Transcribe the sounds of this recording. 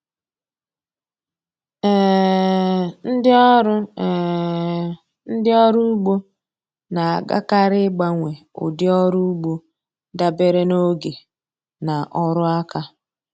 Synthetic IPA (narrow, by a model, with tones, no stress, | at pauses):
ɛ˦˨ | n̩˦dɪ˦ɾʊ˦˨ | n̩˦dɪ˦ɔ˦ɾu˦u˦ɡ͡bo˦ | na˨a˨ɡa̰˦ka˦ɾɪ˦ɡ͡ba˦ŋʷe˨ʊ̰˨dɪ˦ɔ˦ɾu˦u˦ɡ͡bo˦ | da˦be˦ɾe˦no˦ɡe˨ | na˨ʔɔ˦ɾʊ˦a˦ka˦